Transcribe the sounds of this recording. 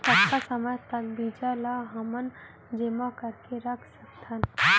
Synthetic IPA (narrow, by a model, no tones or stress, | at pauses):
t̪əkkasəməjt̪əɡbid͡ʒalaɦɐmən | d͡ʒemakəɾkeɾɐkʰsək̚t̪ən